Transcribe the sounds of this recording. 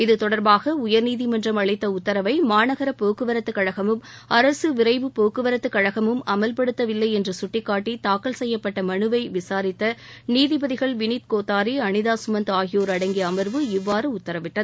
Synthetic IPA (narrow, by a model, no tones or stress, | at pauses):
ɪðɯt̪ɔɽɐɾbaːɣɐʊjɐɾniːðimɛndrɐmɐɭɐɪt̪ːɐʊt̪ːɐɾɐʋɐɪmaːnɐɣɐɾɐpoːkɯʋɐɾɐt̪ːɯkːɐɻɐɣɐmɯm | ɐɾɐsɯʋɪɾɐɪʋɯpoːkɯʋɐɾɐt̪ːɯkːɐɻɐɣɐmɯmɐmɐlpɐɽɯt̪ːɐʋɪlːɐɪɛndrɐsʊʈːɪkːaːʈːit̪aːkɐlsɛjːɐpːɐʈːɐmɐɳɯʋɐɪʋɪsaːɾɪt̪ːɐniːðɪbɐðɪɣɐɭʋɪniːt̪̚koːt̪ːaːɾiɐɳɪðaːsʊmɐnd̪aːɣɪjoːɾɐɽɐŋɡɪjɐːmɐɾʋɯɪʋːaːɾɯʊt̪ːɐɾɐʋɪʈːɐðɯ